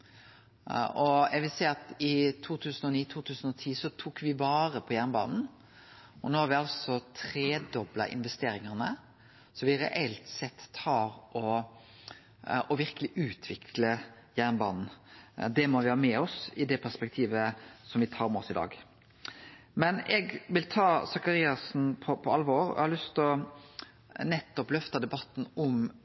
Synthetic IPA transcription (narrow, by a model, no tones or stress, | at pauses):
ɔjæɛɡʋɪlsɛɪɑt̪ɪt̪ʰuːt̪ʰʉːsənɔniːt̪ʰuːt̪ʰʉːsən̩ɔt̪ʰiːsɔt̪ʰuːkʋɪbɑːɾəpʰɔjæʁnbɑ̰ːnn̩ | ɔnoːhɑɾʋɪɑlsɔt̪ʰɾeːd̪ɔblɑ̰ʔɪ̰nʋɛst̪eːɾɪŋəʁnə | sɔʋɪɾɛ̰ʔɛlt̪sɛt̪ːɑːɾʔɔ | ɔʋɪɾkəlɪʔʉːt̪ʰʋɪkʰlə | jæːʁnbɑ̰ːnn̩d̪ɛmɔʋɪhɑːmɛɔsɪd̪ɛpʰæʁspɛk̚t̪ʰiːʋəsɔmʋɪt̪ʰɑːɾmɛɔsɪd̪ɑ̰ːɡ | mɛnɛɡʋɪlt̪ʰɑːsɑkɑɾiːɑsn̩pʰɔpʰɔɑlːʋoːɾɔ̰ʔɛhɑɾlʏst̪ɔ | nɛt̪ːɔplœft̪ɑd̪ɛbɑt̪ːn̩ʊm